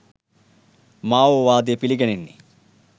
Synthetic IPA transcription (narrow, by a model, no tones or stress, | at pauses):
maːʋoʋaːd̪epiliɡɐninːḭ